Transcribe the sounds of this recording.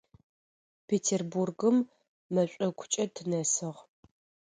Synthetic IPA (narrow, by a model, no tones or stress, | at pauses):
pʰeːtʰerburɡɨmː | ɐɕʷʼɐkʷʰʊ̥t͡ʃʼɐtʰɨnɐsɨʁ